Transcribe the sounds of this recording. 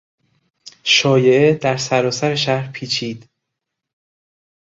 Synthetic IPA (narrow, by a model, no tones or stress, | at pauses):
ʃɒːjeʔed̪æɾsæɾɒːsæɾe̞ʃæɾpʰiːt͡ʃʰiːd̪̥